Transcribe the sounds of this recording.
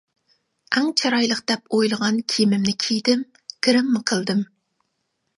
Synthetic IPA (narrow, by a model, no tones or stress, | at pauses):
ɛŋt͡ʃʰɑɾɑjlˠəqd̪̥ɛpojlˠəʁɑnkʲʰimɪmnɪkʲʰijd̪ɪm | kʲiɾɪmːɪqʰəlˠd̪ɨm